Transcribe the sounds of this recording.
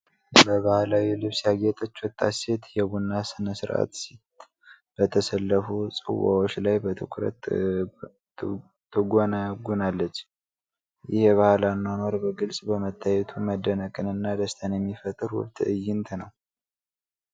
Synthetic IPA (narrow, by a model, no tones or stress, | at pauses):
bəβahlawilɨβsjaɡet̪ʼət͡ʃːwɔt̪ʼːase̞t̪jɛβunːasɨnəsɨɾʔa̰t̪sit̪ | b̥ət̪ʰəsəlːəfusʼɨ̰wːa̰wot͡ʃːlajbət̪ʰɨkʰɾə̰t̪ | t̪ʰːɨɡʷonaɡunalːət͡ʃː | jɪhβahlanːanoɾbəɡɨlsʼbəmət̪ʰːajɛt̪ʰuməd̪ːənəkʼɨnɨnːad̪əst̪ʰənjɛmːifət̪ʼɨɾwʊ̰βt̪ɨjːɪnt̪ʰnəw